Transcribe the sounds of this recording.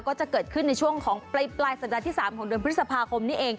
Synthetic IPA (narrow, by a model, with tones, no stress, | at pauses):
kɔː˥˩t͡ɕa˨˩kɤː˨˩t̪̚kʰɯ˥˩nːa˧jt͡ɕʰu˥˩əŋkʰɔː˩˦ŋpla˧jplaː˧jsa˨˩p̚d̪aː˧t̪iː˥˩saː˩˦mkʰɔː˩˦ŋdɯ˧əp̪̚ʰsa˧pʰaː˧kʰo˧mniː˦˥ʔeː˧ŋ